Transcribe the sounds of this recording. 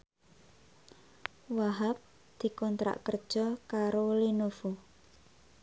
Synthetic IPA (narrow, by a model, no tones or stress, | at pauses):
waɦap̚ | d̪̥i̤kɔnt̪ɾa̰ʔkərd̥ʒ̥ɔkaɾolinofu